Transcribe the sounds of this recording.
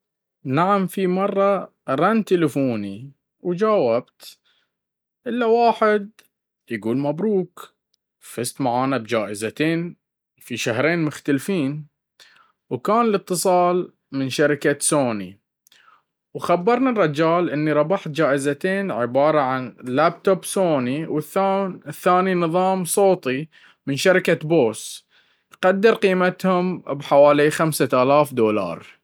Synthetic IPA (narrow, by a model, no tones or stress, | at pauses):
naʕamfimɑrˤːɑ | ɾˤant̪ɪlɪfuːni | wd͡ʒaːwab̚t̪ | ʔɪlːawaːħɪd̪̚ | jɡuːlmabɾuːk | fɪst̪maʕaːnabd͡ʒaːʔɪzat̪eːn | fiʃaɦɾeːnmʊxt̪alfiːn | wkaːnlɨt̪ːɨsˤɑːl | mɪnʃaɾɪkasoːnḭ | wxabːɑɾˤnarˤːɑd͡ʒaːlʔɪnːiɾˤɑbɑħt̪̚d͡ʒaːʔɪzat̪eːnʕɪbɑːɾˤɑʕanlaːbt̪obsoːniwɪθaθːaːninɨðˤɑːmsˤoːt̪ˤi | mɪnʃaɾɪkaboːs | qɑd̪ːɪɾˤqiːmat̪hʊmbħawaːlixamsaaːlaːfd̪oːlɑ̰ːɾˤ